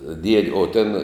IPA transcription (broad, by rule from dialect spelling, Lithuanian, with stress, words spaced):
dʲiɛtʲ oː tʲeːn